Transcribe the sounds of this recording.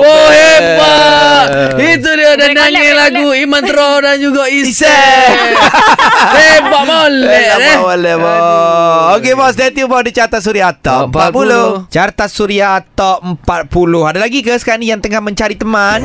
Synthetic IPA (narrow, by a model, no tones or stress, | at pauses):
wohepaʔit̪̬udiadanaŋelaɡuimãnt̪ɾɔdand͡ʒuɡaʔiisɛ | epaʔmolɛadɛʔmolɛʔbɔ | okebɔstɛt̪jubɔdit͡ʃaɾt̪asuɾiat̪ɔʔəmppat̪̚pulʊt͡ʃaɾt̪asuɾiaːt̪aəmpat̪̚pulʊhadalaɡikəsə̥kanijaŋt̪əŋahmə̃ɲt͡ʃaɾit̪əmãn